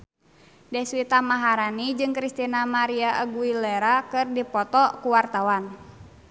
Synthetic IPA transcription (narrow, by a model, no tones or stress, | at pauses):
dɛswit̪amaɦaɾanid͡ʒɨŋkɾist̪inamaɾiaʔəɡuilɛɾakɨrdipɔt̪ɔkuwart̪awan